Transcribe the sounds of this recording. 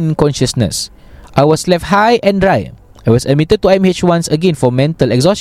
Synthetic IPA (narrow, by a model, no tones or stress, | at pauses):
nkɔ̃nʃəsnə̰s | ʔajwɔslɛft̚hajʔɛ̃ndɹaj | aɪwɔsəd̚mitəd̚tuãmhet͡ʃwãnsəɡɛ̃nfɔmɛ̃ntəlɛkzɔs